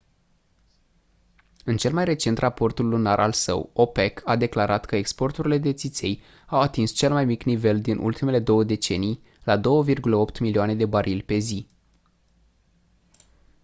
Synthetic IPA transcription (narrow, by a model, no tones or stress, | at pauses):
ɨnt͡ʃe̞lmajre̞t͡ʃe̞nt̪rapo̞rt̪ulːunaɾʔa̰lsə̰wo̞pe̞kʰad̪e̞klaɾat̪kəe̞kspo̞rt̪uɾile̞d̪e̞t̪sit̪sʲe̞j | awat̪inst͡ʃe̞lmajmiknive̞ld̪inʔṵlt̪ime̞le̞d̪o̞wəd̪e̞t͡ʃe̞nij | lad̪o̞wəvirɡuləo̞pt̪milioane̞d̪e̞baɾʔilʲpe̞zi